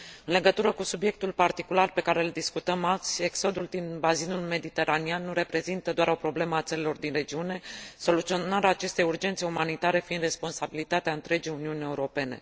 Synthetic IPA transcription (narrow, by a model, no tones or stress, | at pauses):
ɨnle̞ɡət̪uɾəkusubje̞k̚t̪ulpart̪ikularpe̞kaɾe̞ɨld̪iskut̪əmalt̪sʲe̞kso̞d̪uld̪inbazinulme̞d̪it̪e̞ɾʔanianːuɾe̞pɾe̞zint̪əd̪oaɾo̞pɾo̞ble̞məat̪səlelo̞rd̪inre̞d͡ʒiune̞so̞lut̪sio̞naɾaːt͡ʃe̞st̪e̞jurd͡ʒe̞nt̪se̞umanit̪aɾe̞find̪respo̞nsabilit̪at̪eaɨnt̪ɾe̞d͡ʒijuniunʲe̞uɾo̞pe̞ne̞̰